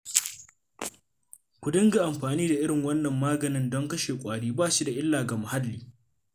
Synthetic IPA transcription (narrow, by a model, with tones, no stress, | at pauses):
kʷʊ˨dɪ˦ŋɡa˨ʔa˨mɸaː˨niː˦da˨ʔɪ˦ɽɪ˨ŋwɐ˦nːɐ˨mːaː˦ɡɐ˨nɪ˦ndɔ˦ŋkɐ˦ʃeː˨kʷʼaː˨ɽiː˦baː˦˨ʃi˦da˨ʔɪ˦lːaː˨ɡa˨mʊ˨ha˦lːiː˦